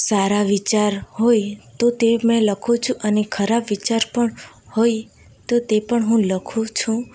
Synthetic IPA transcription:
saɾaʋit͡ʃaɾhojt̪ot̪emɛ̃ləkʰũt͡ʃʰũʔənekʰəɾabʋit͡ʃaɾpəɳ | hoj | t̪ot̪epəɳɦũləkʰũt͡ʃʰũ

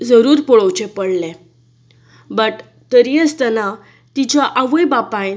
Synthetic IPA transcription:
d͡zəɾuːɾpoɭəwt͡ɕepəɽle | bəʈ | t̪əɾiəst̪əna | t̪it͡ɕaʔaʋəjbapãj

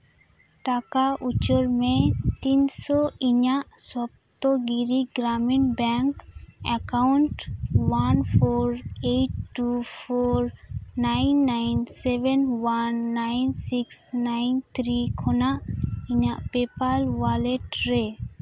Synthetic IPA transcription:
ʈakaʔut͡ʃɔɾmet̪insɔiɲaʔswab̚t̪ɔɡiɾiɡɾaminbɛŋkɛkawɳʈwanpʰɔɾeʈːupʰɔɾnajnːajnsɛbɛnwanːajnsiksnajnt̪ʰɾikʰɔnaʔiɲaʔpepalwaleʈɾe

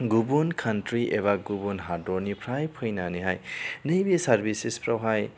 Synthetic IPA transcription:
ɡubunkʰanʈɾiʔeβaɡubunɦadonipʰɾajpʰɯjnaniɦajnʌjbisaɾbisispɾʌwɦaj

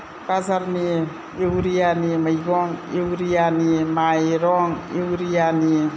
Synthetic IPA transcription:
bazaɾni | ewɾijanimajɡɔŋewɾijanimajɾɔŋewɾijani

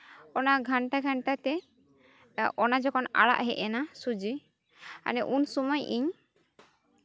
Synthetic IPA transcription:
ɔnaɡʱaɳʈaɡʱaɳʈat̪ɛ | ʔɔnad͡ʒɔkʰɔna̰ɽa̰ʔɦɛʔɛnasud͡ʒi | a̰nɛʔunsumɔjʔiɲ

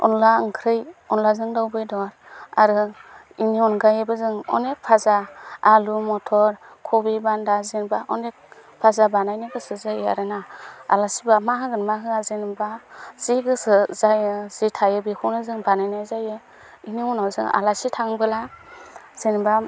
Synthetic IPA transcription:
ɔ̰nlaɯŋkʰɾɯjɔnlazɯŋdawbɯjdɔɾa̰ɾɯ | iniɔnɡajɯbɯzɯŋɔ̰nek̚pʰazaːlumɔtʰɔɾkʰɔbibandazinbaʔɔnek̚pʰazabanajnɯɡɯsɯzaja̰ɾɯnaa̰lasibamaɦɯɡɯnmaɦɯazenbaz̥iɡɯsɯzajɯz̥itʰajɯbikʰunɯzɯŋbanajnajzajɯ | iniunawzɯŋa̰lasitʰaŋbɯla | z̥inba

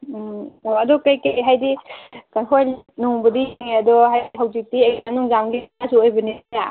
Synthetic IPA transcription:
oɐdɔkajkajɦajdikanɦʰojlt̚nuŋbɐdijŋeɐdɔɦajɦawzik̚tieanuŋzaŋɡiasuojbɐnija

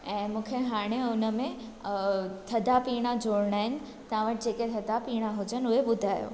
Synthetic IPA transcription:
ɛ̃ːmũːkʰeɦaːɽ̃eʊnəmẽ | t̪ʰɐd̪ʱapiːɽ̃ad͡ʑʱoːɽɽ̃aːɦɪnɪ̆ | t̪ɐʋãʋəʈ̚d͡ʑeːket̪ʰɐd̪ʱapiːɽ̃aɦʊd͡ʑənʊɦeɓʊd̪ʱaːjo̰ː

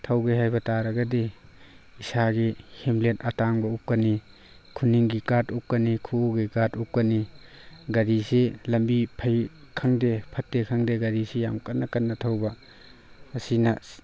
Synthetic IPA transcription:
tʰɐwɡeɦajbɐtaɾɐɡɐdi | isaɡihemletɐtaŋbɐup̚kɐni | kʰuniŋɡikatup̚kɐnikʰuoɡikatup̚kɐni | ɡɐɾiselɐmbipʰɐj | kʰɐŋdepʰɐtːekʰaŋdeɡɐɾisejamkɐnːɐkɐnːɐtʰɐwbɐ | ɐsinɐ

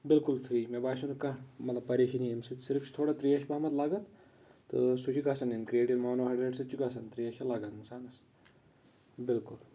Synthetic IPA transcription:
bɪlkulfɾiːmebaːʃunkɐmɐt̪lɐb̚pɐɾeːʃɐniimsɨt̪siɾft͡ʃʰi̥t̪ʰoːɽat̪ɾiːɐʃʰbɐɦmɐt̪laːɡɐt̪ | t̪ɨsut͡ʃʰiɡʱɐsɐninkɾieːʈiʋmaːnoɦɐɖɾeɖsɐt͡ʃʰiɡɐsɐnt̪ɾiːɐʃʰɐlaːɡɐninsaːnɐs | bɪlkul

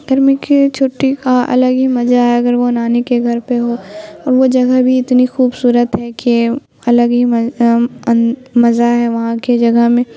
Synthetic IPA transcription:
ɡ̥ɐɾmĩket͡ʃʰoːʈikaɐ̰ləɡɦimɐzaɦɛɐɡəɾʋonaːnekeɡʱɐɾpeɦoːɔːɾʋod͡ʒɐɡəɦbʱiɪt̪nixuːbsuːɾət̪ɦɛke | ɐləɡɦi | mɐzaɦɛʋɐɦãked͡ʒɐɡəɦmẽ

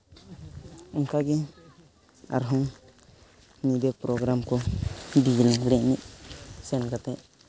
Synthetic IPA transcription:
ɔŋkaɡɛ | a̰ɾɦɔŋ | nibɛpɾɔɡɾamkɔɖid͡ʒlaŋɡɽɛʔniʔsɛnɡat̪ɛʔ

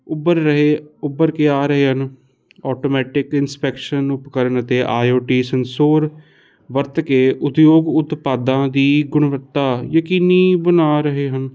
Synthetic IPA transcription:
ʊbəɾəɦeːʊbəɾkeːaːɾəɦeːɦən | ɔːʈoːmɛːʈɪkɪnspɛːkʃənʊpkəɾəɳət̪eːʔaːjoːʈiːsənsoːɾ | ʋəɾt̪keːʔʊt̪joːɡʊt̪paːd̪ãːd̪iːɡʊɳʋəɾt̪ːaːjəkiːniːbənaːɾəɦeːɦən

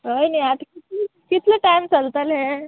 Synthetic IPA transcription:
əjniat̪kikit̪ʰləʈajmt͡səlt̪əlɦɛ

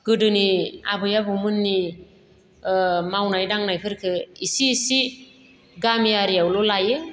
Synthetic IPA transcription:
ɡ̥ɯdɯnia̰bɯjabɯmɯnːi | mawnajdaŋnajpʰɯɾkʰɯisiːsi | ɡamjaɾijawlɔlajɯ

